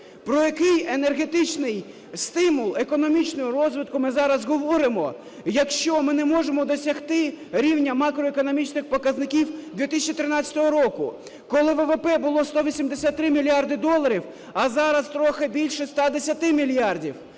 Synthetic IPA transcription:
pɾɔjɐkɪjenerɦet̪ɪt͡ʃnɪj | st̪ɪmʊlˠekɔnɔmʲit͡ʃnɔɦɔɾɔzʋɪt̪̚kʊmɪzɑɾɐzɦɔʋɔɾɪmɔ | jɐkʃt͡ʃɔmɪnɛmɔʒemɔd̪ɔsʲɐxt̪ɪɾʲiwnʲɐmɑkɾɔekɔnɔmʲit͡ʃnɪxpɔkɐznɪkʲiwd̪ʋʲit̪ɪsʲt͡ʃit̪ɪɾɪnɑt͡sʲɐ̥t̪ɔɦɔɾɔkʊ̰ | kɔlˠɪʋɛʋepɛbʊlˠɔst̪ɔʋʲisʲimd̪esʲat̪̚ːɾɪmʲilʲjɑrd̪ɪd̪ɔlˠɐɾʲiw | ɐzɑɾɐst̪ɾɔxɪbʲilʲʃɛst̪ɑd̪esʲɐt̪ɪmʲilʲjɑrdʲiw

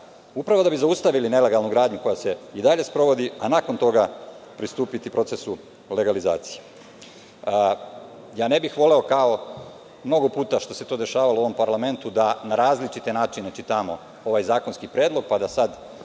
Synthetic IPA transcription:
upɾaʋo̞d̪abizaust̪aʋiline̞le̞ɡalˠnuɡɾaːd̪ɲuko̞jase̞id̪aʎe̞spɾo̞ʋo̞d̪ianaːko̞nt̪o̞ɡapɾist̪uːpit̪ipɾo̞t̪e̞su | le̞ɡaliza̰ːt̪sije | jaːne̞bixʋo̞le̞o̞kao̞ | mno̞ɡo̞puːt̪aʃt̪o̞se̞t̪o̞ːd̪eʃaːʋalouo̞ʋompaɾlame̞nt̪ud̪anaɾaːzlit͡ʃit̪e̞naːt͡ʃine̞t͡ʃit̪amo̞ | o̞ʋajzaːko̞nskipɾjeːd̪lo̞ɡ̚pad̪asad̪

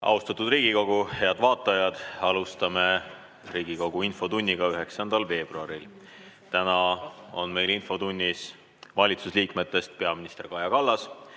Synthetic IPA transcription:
ɑ̰ust̪ɑt̪ːˑud̪riːɡ̥iko̞ɡ̥uhe̞ɑd̪̥vɑːt̪ːˑɑjɑd̪̥ɑlust̪ɑme̞ | riːɡ̥iko̞ɡ̥uinfo̞t̪unʲːiɡ̥ɑyɦe̞ksɑnd̪̥ɑlve̞ːb̥ruɑɾil | t̪ænɑo̞nme̞jlinfo̞t̪unʲːis | vɑlʲit̪susliːkme̞t̪ːˑe̞st̪̚pe̞ɑminist̪e̞rkɑjɑkɑlːɑs

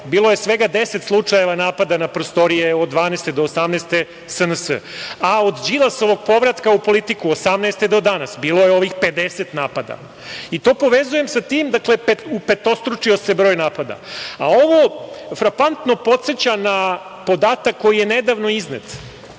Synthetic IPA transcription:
biːlˠojesʋe̞ɡad̪eset̪slˠut͡ʂaje̞ʋanaːpad̪anapɾost̪o̞ɾijeod̪d̪ʋaːneːst̪ed̪oːsamneːst̪e | sənəsə̰ao̞d̪d͡ʑilˠasoʋo̞ɡ̚po̞ʋɾat̪kaupo̞lit̪ikuosamneːst̪ed̪o̞d̪anasbiːlo̞jeo̞ʋixpe̞d̪eset̪naːpad̪a̰ | it̪o̞ːpo̞ʋezuje̞msat̪iːmd̪akle̞peupe̞t̪o̞st̪ɾut͡ʂio̞se̞bɾo̞ːjnaːpad̪a̰ao̞ʋofɾakant̪no̞po̞t̪set͡ɕana | po̞d̪aːt̪akːo̞jijened̪aʋno̞iznet̪

